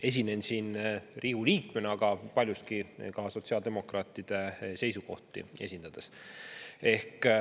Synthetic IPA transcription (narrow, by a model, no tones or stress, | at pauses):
e̞s̬ʲine̞nʲsiːnriːhuliːkmeneɑɡ̥ɑpɑlʲjust̪̚kikɑso̞t̪ʲsiɑld̪e̞mo̞krɑːt̪ːˑid̪̥e̞se̞jsuko̞̰ht̪ˑḭe̞̰sʲind̪ɑd̪̥es | e̞hk